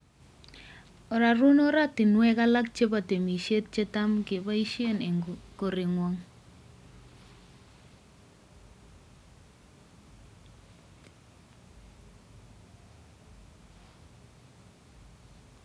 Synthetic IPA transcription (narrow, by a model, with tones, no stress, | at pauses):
ɔ˨ɾa˨ɾu˦nɔ˦ɾa˦tɪ˨nwɛ˦ka˦la˦k̚t͡ʃe˦pa˨te˨mi˨ʃe˦t̚t͡ʃe˦ta˦mkɪ˨βa˦i˦ʃje˦ne˨ko˨ɾɪ˨ŋwɔ˨ŋ